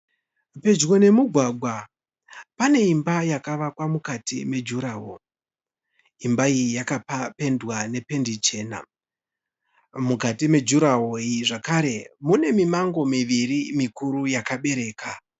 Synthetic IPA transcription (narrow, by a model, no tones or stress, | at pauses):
pe̞d͡ʒɣo̞ne̞muɡʱwaɡʱwa | pane̞imbajakaʋakwamukatḭme̞d͡ʒuɾaːɦo | imbaiijakapape̞ndwane̞pe̞ndit͡ʃe̞ːna̰ | mukatime̞d͡ʒuɾaɦoiʐakaɾe̞mune̞mimaŋɡo̞miʋirimikuɾujakaɓe̞ɾe̞ːkʰa